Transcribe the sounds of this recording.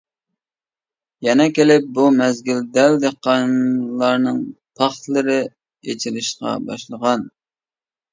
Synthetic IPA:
jɛnɛkʲʰelɪp̚bumɛzɡʲyld̪ɛld̪eqːɑnlˠɑɾnɨŋpʰɑχt̪lˠɨɾɪ | jet͡ʃʰɪlɪʃqɑ̰bɑ̰ʃlˠəʁɑn

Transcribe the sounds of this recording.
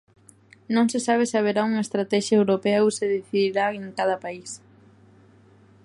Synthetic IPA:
nõŋsɪsaβ̞esɪaβ̞eɾauŋest̪ɾat̪ɛʃjɐewɾopɛwseðiθiðiɾaeŋkað̞ɐpais

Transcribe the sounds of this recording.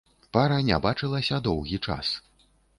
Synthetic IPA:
paɾɐnʲa̰bat͡ʂɨlˠɐsʲɐd̪ɔwɣʲit͡ʂa̰s

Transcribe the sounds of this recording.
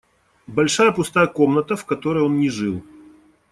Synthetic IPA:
bɐlʲʂajəpʊst̪ajəko̞mnət̪əfkɐt̪o̞ɾəjo̞nnʲɪʐɨlˠ

